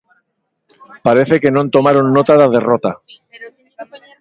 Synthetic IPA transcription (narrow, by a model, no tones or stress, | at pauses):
paɾe̞θeke̞nõnt̪o̞maɾonːot̪aðaðe̞rot̪a